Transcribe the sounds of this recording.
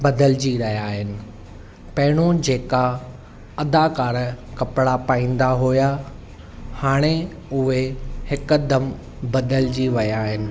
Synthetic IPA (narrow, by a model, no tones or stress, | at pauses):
bɐd̪əld͡ʑiɾɐɦjaːɦɪnɪ̆ | pɐɦɪɽ̃od͡ʑeːka | ɐd̪akaːɾkɐpɽapaːĩːn̆d̪aɦuja | haːɽ̃e | ʊɦehɪkd̪ɐm | bɐd̪əld͡ʑiʋɐjaːɦɪnɪ̆